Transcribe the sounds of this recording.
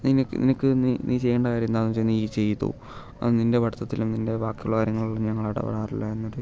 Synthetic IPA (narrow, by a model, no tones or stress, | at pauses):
ninkːnḭnɐkːɨniniːt͡ɕe̞jːeːɳɖɐkaːɾjɐmend̪aːnːɐt͡ɕejniit͡ɕe̞jt̪ːṵ | ninde̞ʋɐɽɐt̪ːɐt̪ːilumninde̞ʋaːkjɐjṵɭːɐkaːɾjɐŋːɐɭuɭːɐmɲɐŋːɐɭɐɽɐ̰ʋɐ̰ɽaːrḭlːɐe̞nːoɾu